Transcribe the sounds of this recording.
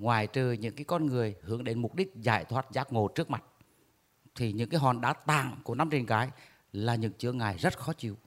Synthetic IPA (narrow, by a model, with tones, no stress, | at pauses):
ŋwaː˨˩jt͡ɕɨː˨˩ɲɨ̰˧˥ŋkaː˨˦jkɔ˧nŋɨ˨˩əjhɨ˧˥əŋɗe˨˦nmʊ˨˩k͡p̚ɗi˦˥k̟̚zaː˧˩jt̪ʰwaː˦˥t̚zaː˦˥k̚ŋo˨˩t͡ɕɨ˦˥ək̚ma˨˩t̚ | t̪ʰi˨˩ɲɨ̰˧˥ŋkaː˨˦jɦɔ˨˩nɗa̰ː˧˥t̪a̰ː˧˨ŋku˧˩əna˧mt͡ɕe˨˩nkaː˨˦j | laː˨˩ɲɨ̰˧˥ŋt͡ɕɨ˧˥əŋaː˨˩jzə˦˥t̚xɔ˨˦t͡ɕi˧˩əw